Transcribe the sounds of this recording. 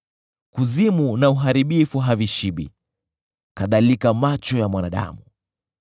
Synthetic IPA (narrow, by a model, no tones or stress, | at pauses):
kuzimunauɦaɾiɓifuɦaviʃiɓḭ | kaðalikamat͡ʃɔjamwanaɗa̰mu